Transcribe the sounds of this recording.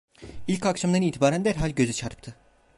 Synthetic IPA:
ilʲckakʃamd̪aɾɯniːt̪ʰibaːɾænd̪æɾɦalʲɟø̞zyt͡ʃʰaɾt̪ʰɯ̥pt̪ʰɯ

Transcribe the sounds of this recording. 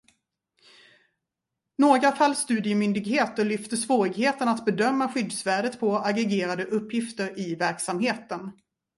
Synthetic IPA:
noːɡɾafalːst̪ʉ̟ːd̪ɪjəmʏnd̪ɪɡheːt̪ɔɭʏft̪əʂvoːɾɪɡheːt̪ənat̪bɛd̪œmːaɧʏd̪svæːɖət̪pʰɔaɡɾɛɡeːɾad̪əʔɵpːjɪft̪əɾɪvæɾksamɦeːt̪ən

